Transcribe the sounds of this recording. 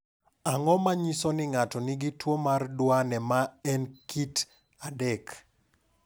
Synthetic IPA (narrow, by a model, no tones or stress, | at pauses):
aŋɔmaɲisɔnɪŋatɔnɪɡitwomardwanɛmaɛnkit | adɛk